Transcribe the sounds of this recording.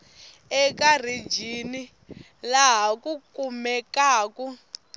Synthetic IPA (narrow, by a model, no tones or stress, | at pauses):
ɛkar̤id͡ʒini | laɦɦakukumɛkaːku